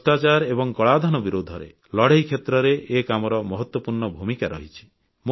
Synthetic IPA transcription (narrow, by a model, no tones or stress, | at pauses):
ʈat͡ʃaɾebɔŋkɔɭad̪ʱanɔbiɾod̪ʱɔɾḛ | lɔɽ̤eɦjkʰet̪ɾɔɾeʔekamɔɾɔmɔɦɔt̪wɔpuɾɳɔbʱumikaɾɔɦit͡ʃʰi̥ | m